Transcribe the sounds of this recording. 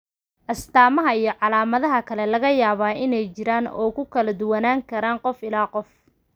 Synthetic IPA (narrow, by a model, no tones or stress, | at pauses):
ʔɐst̪ʰaːmɐɦɐijɞʕɑlaːmɐðɐɦɐkʰɐlɛlɐɣɐjaːβaːʔɪnɛjt͡ʃɪɾaːnɔ̰ːkʰʊkʰɐlɐd̪ʊwɐnaːŋkʰɐɾaːɴqɔfɪlaːqɔf